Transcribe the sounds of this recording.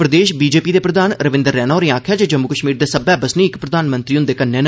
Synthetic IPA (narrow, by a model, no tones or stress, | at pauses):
pɾəd̪eːʃbiːd͡ʒeːpiːd̪eːpɾəd̪aːnɾəʋɪ̃nd̪əɾːɛːnaːɾĩːãːkʰjaːd͡ʒeːd͡ʒəmːukəʃmiːɾd̪eːsəbɛːbəsnĩːɪkpɾəd̪aːnmə̃nt̪ɾiːɦʊnd̪eːkənːẽːn